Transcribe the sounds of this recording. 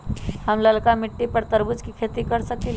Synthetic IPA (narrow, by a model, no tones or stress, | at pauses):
həmləlkamɪʈːipəɾt̪əɾbut͡skikʰet̪ikəɾsəkil